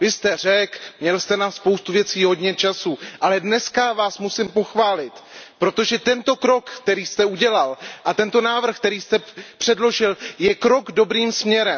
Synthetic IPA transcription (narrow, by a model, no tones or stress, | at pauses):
vɪst̪ɛr̝ɛkmɲɛlst̪ɛnaspo̞wst̪uvjɛt͡siːɦo̞dɲɛt͡ʃasuʔalɛdnɛskavaːsmusɪmpo̞xvaːlɪt̪pɾo̞t̪o̞ʒɛt̪ɛnt̪o̞kɾo̞kːt̪ɛɾiːst̪ɛuɟɛlalʔat̪ɛnt̪o̞naːvr̩xk̚t̪ɛɾiːst̪ɛpr̥ɛdlo̞ʒɪljɛkɾo̞ɡdo̞bɾiːmsmɲɛɾɛ